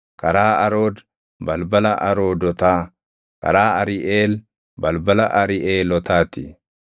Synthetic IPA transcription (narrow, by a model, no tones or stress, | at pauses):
kɐɾaːɐɾo̞ːd̪ | bɐlbɐlɐʔɐɾoːd̪ɔt̪aː | kɐ̰ɾaːɐɾɪʔeːl | bɐlbɐlɐʔɐɾɪʔeːlɔt̪aːt̪ɪ